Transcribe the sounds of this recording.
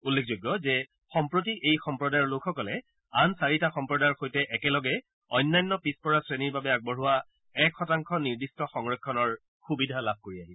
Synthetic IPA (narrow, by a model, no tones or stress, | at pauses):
ulːekʰzoɡjɔzɛ | xɔmpɹotiʔejxɔmpɹɔdajlokʰxɔkɔlɛ | ansaɹitaxɔmpɹɔdajɹxojtɛʔɛkɛlɔɡɛ | ɔjnːajnːɔpispɔɹasɹeniɹbabɛaɡ̚bɔɹɦʊwa | ɛkxɔtaŋkʰɔniɹdistɔxɔŋɹɔkʰːɔnɔɹ | xubidʱalab̚ʱkoɹiaɦiɛ